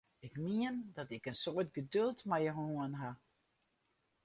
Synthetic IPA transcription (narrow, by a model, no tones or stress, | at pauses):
ɪkniəndɔtɪkənsoətɡədølˠtmɛjəɦuənɦa